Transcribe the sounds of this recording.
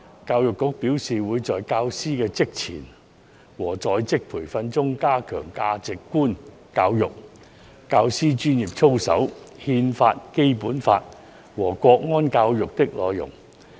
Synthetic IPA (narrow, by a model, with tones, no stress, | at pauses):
kaː˧wjʊ˨kːʊ˨˥k̚piː˨˥wsiː˨wuː˨˧jt͡sɔː˨jkaː˧wsiː˥kɛː˧t͡sɪ˥k̚t͡sʰḭː˨˩n | wɔː˨˩t͡sɔː˨˧jt͡sɪ˥k̚pʰuː˨˩jfɐ˧nt͡sʊ˥ŋkaː˥kʰœː˨˩ŋkaː˧t͡sɪ˨kːuː˥n | kaː˧wjʊ˨k̚ | kaː˧wsiː˥t͡ʃyː˥njiː˨p̚t͡sʰo˥wsɐ̰˨˥w | hiː˧nfaː˧t̚ke˥jpuː˨˥nfa̰ː˧t̚ | wɔː˨˩kʷɔː˧k̚ŋɔː˥nkaː˧wjʊ˨k̚t̪ɪ˥k̚lɔː˨˧jʊ̰˨˩ŋ